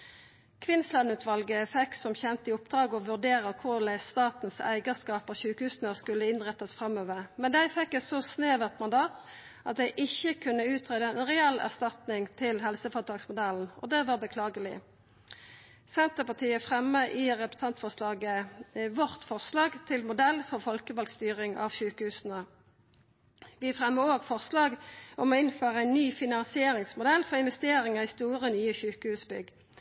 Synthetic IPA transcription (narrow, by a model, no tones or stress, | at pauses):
kʰʋɪnslɑnʉːt̪ʋɑlɡəfɛksɔmçɛnt̪əɪʊpd̪̥ʁɑːɡɔʋʉʁd̪eːʁəkʰʊʁlæɪst̪ɑːt̪nsæ̰ɪɡəskɑːpɑçʉːkhʉːsnəɔskʉlːəɪnʁɛt̪ːəsfʁɑmøːʋəʁmɛnd̪æɪfɛkːɛt̪sɔsneːʋəʁt̪mɑnd̪ɑːt̪ | ʔɑt̪̚d̪æɪʔɪçːəkʰʉnːəʉːt̪ʰʁeːd̪əɛnʁɛɛlæ̰ʁst̪ɑt̪nɪŋt̪ʰɪlɦɛlsəfot̪ʰɑːksmʊd̪ɛln̩ʔɔ̰d̪ɛʋɑːʁbəkʰlɑːɡəlɪ̰ | sɛnt̪əpɑt̪ʰiːəfʁɛmːəʔɪʁɛpə̥st̪ɑnt̪fɔʁʂlɑːɡəʋɔʁt̪fɔʁslɑːɡt̪ʰɪlmʊd̪ɛlːfɔʁfɔlkəʋɑlɡst̪yːʁɪŋɑ̰ʋçʉːkəhʉːsn̩ə | ʋɪfʁɛmːəoːɡfɔʁslɑːɡʔɔmɔɪnføːʁəæɪnːyːfɪnɑnsɪeːɾɪŋsmʊd̪ɛlfɔʁɪnʋɛst̪eːɾɪŋəʁist̪uːʁənyːəçʉːkəhʉːsbʏ̰ɡ